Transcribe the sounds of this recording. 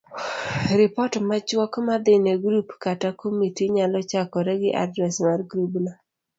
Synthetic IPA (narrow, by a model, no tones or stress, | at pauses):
ɾɪpɔtmat͡ʃwɔkmad̪ɪneɡɾupkatakomitiɲalɔt͡ʃakɔɾɛɡɪʔa̰dɾɛsmarɡɾubna